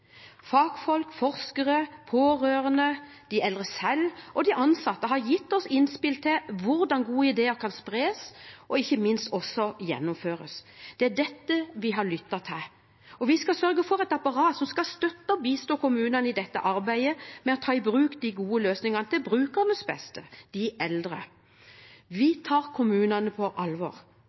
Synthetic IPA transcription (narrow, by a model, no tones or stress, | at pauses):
fɑːɡ̥fɔlkfɔɾskəʁəpʰoːɾøːʁənə | d̪̥ɪɛlʁəsɛlʔɔd̪ɪʔɑnsɑt̪ːəɦɑɾjɪt̪ːɔsɪnspɪlt̪ʰɪʋʊɾd̪ɑnɡuːəɪd̪eːəkʰɑnspɾeːsʔɔɪçːəmɪnst̪ɔsɔjɛ̰nːʊmføːɾə̰sd̪̥ɛæɖɛt̪ːəʋɪɦɑlʏt̪ːɑt̪ʰɪl | ɔʋɪskɑsœɾɡəfɔɾɛt̪ɑpɑʁɑːt̪sɔmskɑst̪œt̪ːəɔbiːst̪oːkʊmʉːnənəɪd̪ɛt̪ːə̰ʔɑɾbæɪəmɛɔt̪ʰɑːɪbɾʉːkd̪ɪɡuːəløːsnɪŋɑnəd̪ɛbɾʉːkəɾnɔsbɛ̰st̪əd̪̥ɪɛld̪ɾə̰ | ʋɪt̪ʰɑːɾkʰʊmʉːnɑnəpʰɔʔɑlʋɔ̰ːɾ